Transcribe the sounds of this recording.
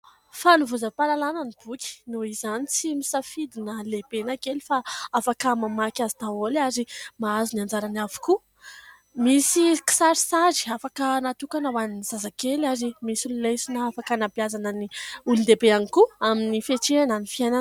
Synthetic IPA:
fanuvuzapalalananib̥ukʲi̥nuizanit͡simisafid̪inəlebenakelifaafakəmamakʲazit̪aolazimaaziniand͡ʒaɾanavu̥ku | misiki̥saɾisazi̥afakənat̪ukanawannizazakelazimisulilejsinaafakanapiazananiulund̪ebeanikuaminifeʈ͡ʂeananifiajna

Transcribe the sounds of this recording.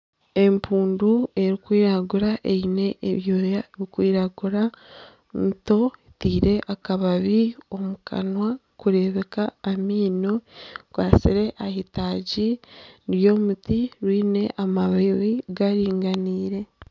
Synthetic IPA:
empʰuːndue̞ɾikwiːɾaɡuɾaʔeine̞ʔːβjoːjaβikwiːɾaɡuɾa | nto̞itiːɾe̞ʔakaβaβio̞mukʰa̰nwa | kuɾe̞βe̞kaːmiːno̞kwaːsiɾe̞ʔahitaɟiɾjo̞ːmutiɾwiːne̞ʔamaβeβiɡaɾiːŋɡaniːɾe̞

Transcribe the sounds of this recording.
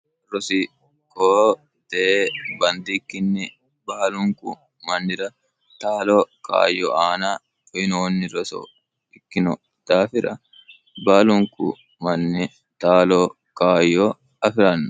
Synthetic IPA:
ɾɔsɪ | koː | d̪̥ɛbɐnd̪ɪkːɪnːɪ | baːlʊŋkʊ̰ | mɐnːɪɾɐ | t̪aːloːka̰ːjɔ̰ʔaːnaː | ɔjnoːnːɪɾɔsɔ̰ | ɪkːɪnɔ | d̪̥aːfɪɾɐ | baːlʊŋkʊ̰ | mɐnːɪ | t̪aːloː | kaːjːɔː | ɐfɪɾɐnːʊ

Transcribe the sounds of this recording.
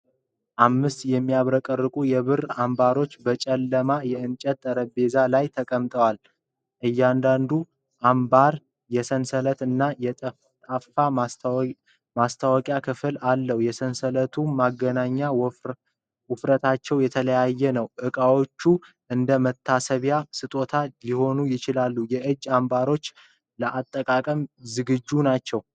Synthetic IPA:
ʔamːɨst̪jɛmːijaβɾəkʼərːɨkʼujɛβɨrambaɾo̞t͡ʃːbət͡ʃʼɛlːəmajɛɨnt͡ʃʼɛt̪̚t̪ʼːəɾəbe̞zalajt̪ʰəkʼəmt̪ʼəwal | ʔɨjːand̪and̪u | ʔambaɾ | jɛsənsələt̪ɨnːajɛt̪ʼə | t̪ʼaffa | mast̪ʰawɔkʼjakʰɨfɨlalːəhjɛsənsələt̪ʰumaɡːənaɲːaw | wʊfɾət̪ʰat͡ʃːɛwjɛt̪ʰələjajːɛnəwʔɨkʼawot͡ʃːu | ʔɨnd̪əmət̪ʰːasəβjasɨt̪ʼo̞t̪ʰaliho̞nujɪt͡ʃɪlalːujɛʔɨd͡ʒːambaɾo̞t͡ʃː | ləʔat̪ʼːəkʼakʼəmzɨɡɨd͡ʒːunat͡ʃːɛw

